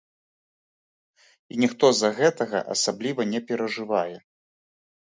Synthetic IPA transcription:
inʲixt̪ɔzɐɣɛt̪ɐɣɐ̰ʔa̰sablʲivɐnʲɛpʲɛɾɐʐɨvajɛ

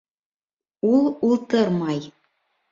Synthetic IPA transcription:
ulˠulˠt̪ɤɾmɑj

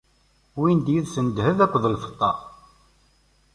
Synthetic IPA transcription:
wind̪jiðsənd̪həvækʷːðəlfə̥t̪ˤːɑ

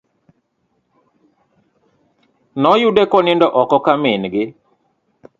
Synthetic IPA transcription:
nɔjudɛkɔnɪndɔʔɔkɔkamɪnɡɪ

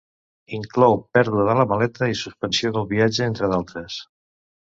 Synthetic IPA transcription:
iŋklɔwpɛɾðuəðələməlɛt̪əisuspənsioðəlˠβiad͡ʒəent̪ɾəðalˠt̪ɾəs

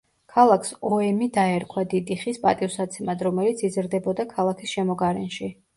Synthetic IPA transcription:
kʰalˠakʰsɔɛmid̪aɛɾkʰwad̪id̪iχispʼat̪ʼivsat̪sʰɛmad̪ɾɔmɛlit̪sʰizɾd̪ɛbɔd̪akʰalˠakʰisʃɛmɔɡaɾɛnʃi

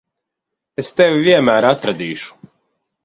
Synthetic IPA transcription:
ɛst̪ɛʋʋiɛmaːɾat̪ɾad̪iːʃu̥

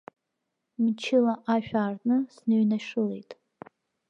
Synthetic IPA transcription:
mt͡ʃʰɪlaʔaʃᶣaːrnɨsnɨɥnaʂɨle̞jtʼ

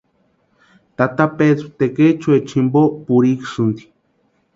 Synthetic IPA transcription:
t̪at̪apeðɾut̪eket͡ʃuet͡ʃimbopuɾiksɨnd̪i̥

